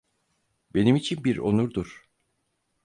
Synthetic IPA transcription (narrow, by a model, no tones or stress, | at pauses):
be̞nimit͡ʃʰinbiɾo̰nuɾd̪uɾ̥